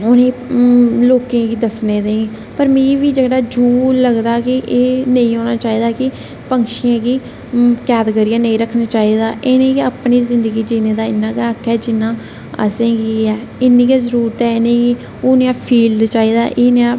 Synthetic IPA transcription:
onẽːloːkẽːɡiːd̪əsneːd̪ẽ | pəɾmĩːʋiːd͡ʒəɽaːd͡ʒuːləɡd̪aːkɪʔeːnəĩːɦoːnaːt͡ʃaːiːd̪aːkɪ | pəŋkʃɪjãːɡiː | kɛːd̪ɡəɾijãːnə̃ĩːɾəkʰːnaːt͡ʃaːiːd̪aːʔɪnẽːɡiəpniːzɪnd̪əɡiːd͡ʒinẽːd̪aːɪnãːɡeakʰːɛːd͡ʒɪnːãː | ə̰sẽːɡiɛː | ɪnĩːɡeːzəɾuːɾət̪ɛːɪnẽːɡiː | oːneãːpʰiːldt͡ʃaːiːd̪aːʔeːneãː

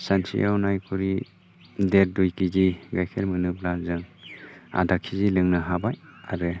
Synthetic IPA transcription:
sansḭʔawnajkʰuɾi | deɾ̚dujkiziɡajkʰelmɯnɯblazɯŋ | a̰dakʰːizilɯŋnɯɦabajaɾɯ

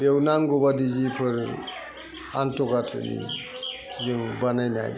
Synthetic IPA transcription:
bewnaŋɡɔbadizipʰɯɾ | antɔkatʰɯ̰nḭ | zɯŋbanajna̰j

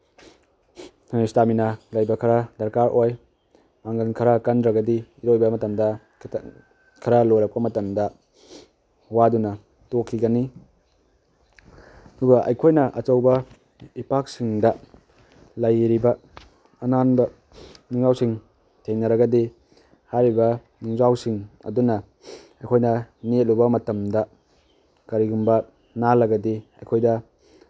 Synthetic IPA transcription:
staminalɐjbɐkʰɐɾadɐɾkaɾʔoj | maŋɡɐnkʰɐɾakɐndɾɐɡɐdiiɾojbɐmɐtɐmdɐ | kʰɐɾalojɾɐk̚pɐmɐtɐmdɐ | wadunɐ | tokʰːiɡɐni | ɐduɡɐʔɐ̰jkʰojnɐʔɐt͡ʃɐwbɐ | ipak̚siŋdɐ | lɐjɾibɐː | nanbɐ | nuŋawsiŋ | tʰeŋnɐɾɐɡɐdi | hajɾibɐ | nuŋzawsiŋɐ̰dunɐ | ɐjkʰojnɐniet̚lubɐmɐtɐmdɐ | kɐɾiɡumbɐ | nalɐɡɐdiɐjkʰojdɐ

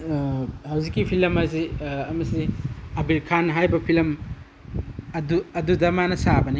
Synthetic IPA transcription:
hawzikːipʰilɐmɐziɐmɐsiɐbilkʰanɦajbɐpʰilɐm | ɐduɐdudɐmanɐsabɐni

